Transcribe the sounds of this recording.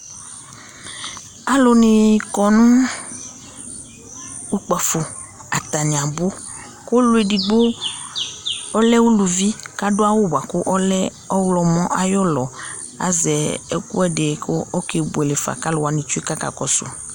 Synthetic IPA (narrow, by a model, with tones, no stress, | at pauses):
a˨lo˦nĩ˨kɔ˨nũ˦ | u˦k͡pa˨fu˨ | a˨t̪a˨ɲ̃˨a˨bo˦ | ko˦lʊ˨˦e˨di˨ɡ͡bo˦ | ɔ˦lɛ˦wu˦lu˨vi˦ka˦dʊ˦a˦wʊ˦ba˨kʊ˦ʔɔ˦lɛ˦ | ɔ˦wlɔ˨mɔ̃˦ʔa˨jɔ˦lɔ˨ | a̰˨zɛ˨ɛ˨kṵ˦ɛ˦ɖe˨ko˦o˦ke˨bu˨e˨le˨fa̰˨ka˦lʊ˨wa˨nĩ˨t͡ʃu˦i˦ka˦ka̰˨kɔ˨sʊ̰˨